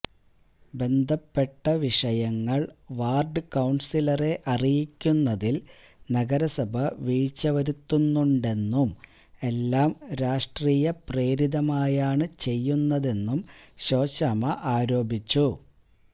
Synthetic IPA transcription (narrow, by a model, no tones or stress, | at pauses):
be̞nd̪ʱɐpːe̞ʈːɐʋiʂɐjɐŋːɐɭʋaːrɖɨkɐwɳsilɐre̞ʔɐrijikʲːunːɐðil | nɐɡɐɾɐsɐbʱɐʋiːt͡ɕːɐʋɐɾut̪ːunːuɳɖe̞nːum | e̞lːaːmɾaːʂʈriːjɐpre̞ːɾiðɐmaːjaːɳɨt͡ɕe̞jːunːɐðe̞nːumɕo̞ːɕɐmɐʔaːɾo̞ːbʱit͡ɕːu